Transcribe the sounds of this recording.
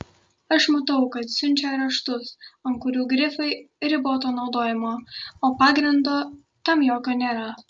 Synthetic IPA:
ɐʃmɐt̪ɐʊkɐt̪sʲʊnʲt͡ʃʲɛɾɐʃt̪ʊsɐŋkʊɾʲuːɡɾʲɪfɐɪ | ɾʲɪboːt̪oːnɒʊd̪oːjɛmoːoːpɑːɡɾʲɪnd̪oː | t̪ɐmjoːkʲoːnʲeːɾɐ

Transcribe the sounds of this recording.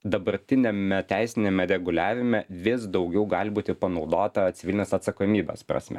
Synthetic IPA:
d̪ɐbɐɾʲt̪ʲɪnʲemʲɛt̪ʲæˑɪsʲɪnʲemʲɛɾʲɛɡʊlʲæːʋʲɪmʲɛʋʲɪsd̪ɒʊɡʲɛʊɡɑːlʲbuːt̪ʲɪpɐnɒʊd̪oːt̪ɐt̪sʲɪʋʲɪlʲɪnʲeɛsɐt̪sɐkoːmʲiːbʲo̰spɾɐ̰sʲmʲɛ̰

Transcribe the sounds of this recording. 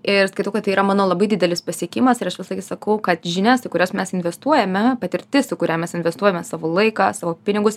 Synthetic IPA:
ɪɾskɐɪt̪oʊkɐt̪ɐɪiːɾɐmɑːnoːlˠɐbɐɪdʲɪd̪ʲɛlʲɪspɐsʲiɛkʲɪmɐsɪɾɐʃʋʲɪsɐɡʲɪsɐkɐʊkɐt̪ʒʲɪnʲɛst̪ɐɪkʊɾʲoːsmʲɛsɪnʲʋʲɛst̪uɔjɛmʲɛpɐt̪ʲɪɾʲt̪ʲɪsʊkʊɾʲæːmʲɛsɪnʲʋʲɛst̪uɔjɛmʲɛsɑːʋoːlˠɐɪkɑsɑːʋoːpʲɪnʲɪɡʊs

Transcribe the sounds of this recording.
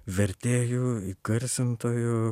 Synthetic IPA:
ʋʲɛɾʲt̪ʲeːjuːiɡɐɾʲsʲɪnt̪oːjʊ

